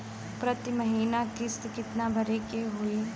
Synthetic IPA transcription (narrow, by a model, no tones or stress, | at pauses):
pɾɐt̪imɐɦiːnakɪst̪kɪt̪nabʱɐɾekeɦʊe